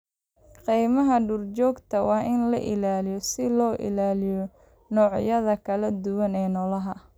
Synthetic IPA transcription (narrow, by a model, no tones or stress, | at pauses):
qijmɐɦɐɖʊrt͡ʃɔːɡt̪ʰɐwɑːʔɪnlɐ̰ʔɪ̰laːlɪjɔsɪlɔːʔɪ̰laːlɪjɔ | nɔːʕjɐðɐkʰɐlɐd̪ʊwɐnɛːnɔlɐɦɐ